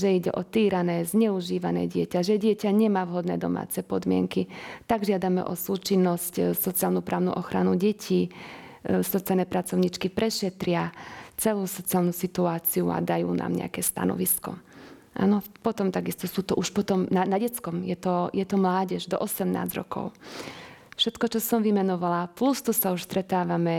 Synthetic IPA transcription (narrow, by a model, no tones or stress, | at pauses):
ʒɛiɟɛ̰ʔɔt̪iːɾanɛːzɲɛuʒiːʋanɛ̰ːɟɪɛcaʒɛɟɪɛcaɲɛmaːʋɦɔd̪nɛ̰ːd̪ɔma̰ːt͡sɛpɔd̪mɪɛ̰ŋkit̪aɡʒɪad̪amɛ̰ʔɔsuːt͡ʃinːɔscsɔt͡siaːlnupɾaːʊnṵʔɔxɾanuɟɛcʰiː | sɔt͡sianɛpɾat͡sɔʊɲit͡ʃkipɾʔɛʃɛt̪ɾɪat͡sɛluːsɔt͡sialnuːsit̪uaːt͡siua̰d̪ajṵːnʔa̰ːmɲɛ̰a̰kɛːst̪a̰nɔ̰ʋiskɔ̰ | ʔa̰ːnɔpɔt̪ɔmt̪aɡist̪ɔsuːt̪ɔʔuʃpɔt̪ɔmnanaɟɛt͡skɔmjɛt̪ɔjɛt̪ɔmlaːɟɛʒd̪ɔ̰ʔɔsɛmna̰ːzɾɔ̰kɔ̰ʊ | fʃɛt̪kɔt͡ʃɔsɔmʋimɛnɔʋalaplust̪usauʃst̪ɾɛt̪aːʋamɛ